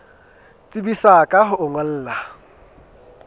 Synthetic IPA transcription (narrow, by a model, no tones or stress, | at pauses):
t͡sʼibisakʼaɦʊʔʊŋwal̩ːla